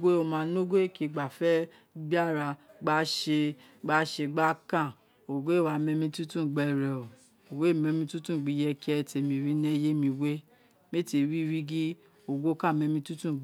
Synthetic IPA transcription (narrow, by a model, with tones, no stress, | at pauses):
ɡʷe˦o˧˨mã˨˧˦no˦ɡʷe˦ki˧˨ɡ͡ba˨fɛ˦ | bi˦a˦ɾa˧ɡ͡ba˧˦ʃe˧ | ɡ͡ba˧˦ʃe˧ɡ͡ba˦kã˦˨ | o˨ɡʷe˦˨wa˧˦mɛ˧mĩ˧tu˦tũ˦˨ɡ͡bɛ˧ɾɛ˨o˨ | o˨we˦˨mɛ˧mĩ˧˦tu˦tũ˦˨ɡ͡bi˧jɛ˧kɛ˦˨te˧mĩ˧ɾi˦nɛ˦je˦mĩ˧we˦ | me˦te˧˨ɾi˦ɾi˦ɡi˦ | o˨ɡo˦kã˦˨mɛ˧mĩ˧˦tu˦tũ˦˨